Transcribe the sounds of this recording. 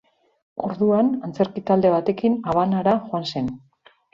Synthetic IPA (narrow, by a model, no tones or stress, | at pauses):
o̞̰ɾðuanant͡se̞ɾkit̪ald̪e̞β̞at̪e̞kinaβ̞anaɾaʝoanse̞n